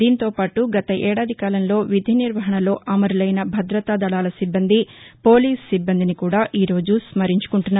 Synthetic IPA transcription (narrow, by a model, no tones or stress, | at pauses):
d̪iːnt̪o̞ːpaːʈuɡɐt̪ɐʔɛːɽaːd̪ʱikaːlɐnlo̞ːʋid̪ʱjɐniɾʋɐɦɐɳɐlo̞ːʔɐmɐɾlɐjnɐbʱɐd̪ɾɐt̪aːd̪ɐɽaːlɐsibːɐnd̪ʱipo̞ːliːsːibːɐnd̪inikuːɽaːʔiːɾo̞ːd͡ʒusmɐɾiɲt͡ʃu̥kuɳʈunːaː